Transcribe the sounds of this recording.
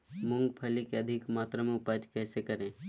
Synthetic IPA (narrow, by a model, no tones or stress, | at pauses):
mʊŋɡpʰəlikeɐd̪ʱɪkmaːt̪ɾəmẽʊpad͡ʒkɛːsekɐɾẽː